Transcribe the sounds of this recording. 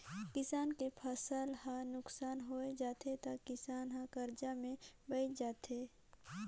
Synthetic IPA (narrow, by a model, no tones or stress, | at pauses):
kɪsaːnkepʰəsəlhãnʊksaːnɦoed͡ʒaːt̪ʰet̪akɪsaːnɦãkəɾd͡ʒamẽbəɪt͡ʃd͡ʒaːt̪ʰeː